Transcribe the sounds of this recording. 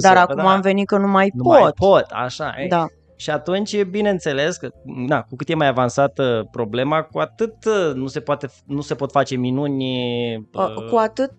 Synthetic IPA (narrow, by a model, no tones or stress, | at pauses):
d̪aɾakumamve̞nit̪̚kənumajnpot̪̚pot̪a̰ʃa̰jed̪a | ʃiat̪unt͡ʃʲbine̞ɨnt̪se̞le̞skəd̪akukɨt̪je̞majavansat̪pɾo̞ble̞makuat̪ɨt̪nuse̞poat̪e̞nuse̞po̞t̪fat͡ʃe̞minunʲ | kuat̪ɨt̪̚